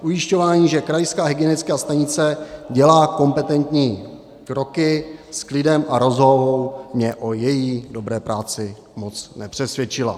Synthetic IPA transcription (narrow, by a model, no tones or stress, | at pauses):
ʔujɪʃco̞vaːɲiːʒɛkɾajskaːɦɪɡɪɛnɪt͡skɛːast̪aɲɪt͡sɛɟɛlaːko̞mpɛt̪ɛnt̪ɲiː | kɾo̞kɪsklɪdɛmʔaɾo̞zɦovowmɲɛʔojɛjiːdo̞bɾɛːpɾaːt͡sɪ | mot͡snɛpr̥ɛsvjɛt͡ʃɪla̰